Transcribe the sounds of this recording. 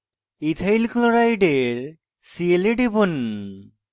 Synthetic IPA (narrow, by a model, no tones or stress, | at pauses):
it̪ʰajlkloɾajɖeɾ | sieleɖibon